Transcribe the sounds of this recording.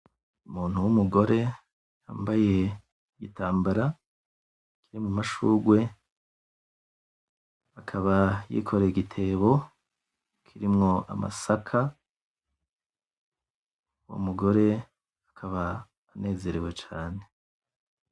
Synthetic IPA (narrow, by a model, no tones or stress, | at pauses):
umuːn̥huwumuɡo̞ɾe̞ | ja̰ːmbaje̞ | ɡitaːmbaɾa | kiɾimŋamaʃuːɡwe̞ | akʰaβajḭːkʰo̞ɾeiɡitʰe̞ːβo̞ | kʰiɾimŋo̞ʔa̰ma̰sakʰa | wo̰muɡo̞ɾe̞ | akʰaβaː | ne̞ːze̞ɾewe̞t͡ʃaːne̞